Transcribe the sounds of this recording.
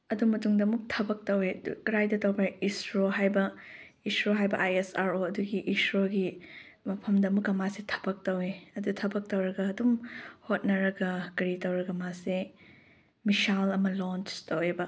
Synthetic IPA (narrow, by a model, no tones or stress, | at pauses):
ɐdumɐtuŋdɐɐmuk̚tʰɐbɐk̚tɐwedṵkɾajdɐtɐwbɐisɾoɦajbɐ | isɾoɦajbɐʔajesaɾoɐduɡiʔːsɾoɡi | mɐpʰɐmdɐɐmukɐmasetʰɐ̥bɐk̚tɐweɐdutʰɐbɐk̚tɐwɾɐɡɐːdumhot̚nɐɾɐɡɐkɐɾitɐwɾɐɡɐmase | misalɐmɐlont͡ʃtɐwebɐ